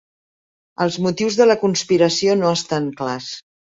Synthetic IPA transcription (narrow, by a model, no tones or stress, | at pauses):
əlˠzmut̪iwzðələkunspiɾəsionoəst̪aŋklas